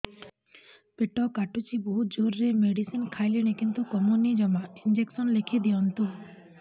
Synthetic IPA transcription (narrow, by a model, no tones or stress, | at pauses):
peʈɔkaʈut͡ʃibud͡ʒoɾːemeɖisinkʰajliñekint̪ukɔmonid͡ʒɔmaind͡ʒeksɔnlekʰid̪iɔnt̪u